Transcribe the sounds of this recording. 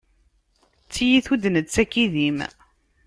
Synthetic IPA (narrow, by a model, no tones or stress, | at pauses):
t͡sːijiθud̪nət͡sːækiðim